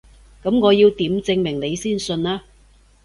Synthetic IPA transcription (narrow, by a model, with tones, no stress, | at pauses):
kɐ˨˥mŋɔː˨˧jiː˧wt̪iː˨˥mt͡sɪ˧ŋmɪ˨˩ŋne˨˧jsiː˥˩nsɵ˧naː˥